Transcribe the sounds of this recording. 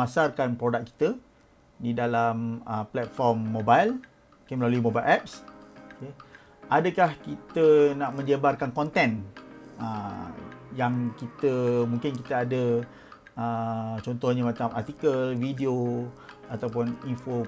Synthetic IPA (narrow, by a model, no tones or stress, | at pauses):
asarkanpɾodak̚kːi̥t̪ə | didalaməplɛt̪̚fɔrmːobajl | ukeməlaluimobajlʔɛp̚ske | ʔadəkahkit̪ənaʔmə̃ɲd͡ʒəbarkankɔnt̪ɛnə̰ | jaŋkit̪əmũŋkɪnkit̪əadə | ət͡ʃɔnt̪ɔhɲamat͡ʃamart̪ikəlvidio | at̪awp̬ʊninfo